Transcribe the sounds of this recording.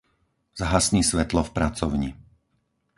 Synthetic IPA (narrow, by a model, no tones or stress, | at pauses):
z̥aɦasniːsʋɛt̪lɔfpɾat͡sɔʊɲi